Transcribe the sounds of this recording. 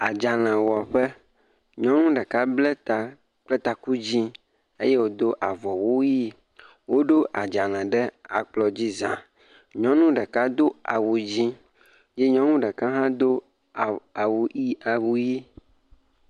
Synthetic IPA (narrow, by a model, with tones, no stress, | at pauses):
a˨d͡ʒa˨l̃ɛ̃˨wɔ˨ɸɛ˦ | ɲɔ̃˦nũ˦ɖɛ˨ka˦blɛ˦t̪a˨ | k͡plɛ˦t̪a˨ku˦d͡ʑi˦ | e˦je˦wo˦d̪o˦ʔa˨vɔ˨wo˦ji˦ | wo˦ɖo˦ʔa˨d͡ʒa˨l̃ɛ̃˨ɖɛ˦a̰˨k͡plɔ˨d͡ʑi˦zã̰˨ | ɲɔ̃˦nũ˦ɖɛ˨ka˦d̪o˦a̰˨wu˨d͡ʑi˦ | je˦ɲɔ̃˦nũ˦ɖɛ˨kã˦ɦã˦d̪o˦˨ | a˨wu˨i˦a˨wu˨ji˦